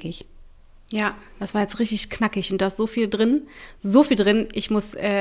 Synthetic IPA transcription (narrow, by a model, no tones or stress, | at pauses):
kɪç | jaːd̥asv̥aːɐjɛt͡stʁɪçtɪçknakɪçʊntd̥aːɪstz̥oːfiːldʁɪnzoːfiːldʁɪnʔɪçmʊsʔɛː